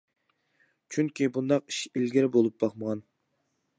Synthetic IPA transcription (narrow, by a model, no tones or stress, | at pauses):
t͡ʃʰyŋkʲʰibund̪ɑqi̥ʃilɡʲɪɾbolˠup̚bɑχməʁɑn